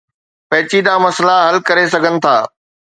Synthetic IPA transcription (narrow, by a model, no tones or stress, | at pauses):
pɐ̃ɦɪt͡ɕid̪ãːmɐslaɦɐlkɐɾes̬ɐɡʱənɪ̆t̪ʰaː